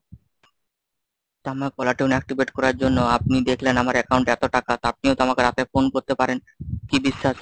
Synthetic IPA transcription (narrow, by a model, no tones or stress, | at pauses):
t̪amaɾkɔlaʈiunɛk̚ʈibeʈkɔɾaɾd͡ʑonːoap̚nid̪ekʰlenamaɾɛkawɳʈɛt̪oʈakat̪ap̚niot̪amakeɾat̪efonkoɾt̪epaɾen | kibiʃːaʃ